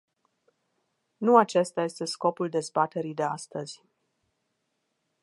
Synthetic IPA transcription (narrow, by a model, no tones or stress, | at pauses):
nuat͡ʃe̞st̪aje̞st̪e̞sko̞puld̪e̞zbat̪e̞ɾid̪e̞ast̪əz̥ʲ